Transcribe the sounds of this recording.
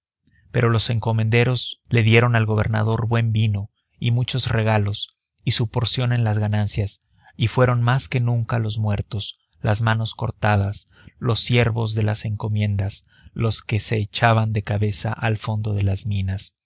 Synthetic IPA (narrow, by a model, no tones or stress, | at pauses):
pe̞ɾo̞lo̞se̞ŋko̞mẽ̞nd̪e̞ɾo̞z̥le̞ðje̞ɾo̞nalɣo̞β̞e̞̰ɾna̰ðo̞ɾβwe̞mbino̞ | imut͡ʃo̞zre̞ɣ̞alo̞s | isupo̞ɾsjo̞ne̞nlazɣanansjas | ifwe̞ɾo̞nmaske̞nũŋkalo̞zmwe̞ɾt̪o̞s | lazmano̞sko̞ɾt̪að̞as | lo̞sːje̞ɾβo̞zðe̞la̰se̞ŋko̞mjẽ̞nd̪as | lo̞ske̞se̞ːt͡ʃaβand̪e̞kaβe̞sa̰ʔalfo̞nd̪o̞ðe̞lazmĩnas